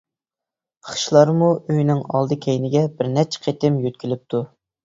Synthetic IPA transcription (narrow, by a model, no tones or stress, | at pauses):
χʃlˠɑɾmuøjnɪŋɑ̰lˠd̪ɨkʲʰejnɪɡʲɛbɪɾnɛt͡ʃʰɛ̥qʰet̪ɪmjøt̪̚kʲilɪp̚t̪ʰu